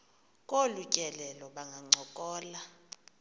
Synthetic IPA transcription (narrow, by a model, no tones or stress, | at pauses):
kʼolucʼɛlɛlɔɓaŋɡʱaŋ͡ǀʱɔkʼɔːla